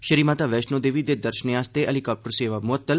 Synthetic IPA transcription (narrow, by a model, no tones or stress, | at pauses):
ʃəɾiːmaːt̪aːʋɛːʃnõːd̪eːʋiːd̪eːd̪əɾʃəneaːst̪eʔəlikaːp̚ʈəɾseːʋaːmʊət̪ːəl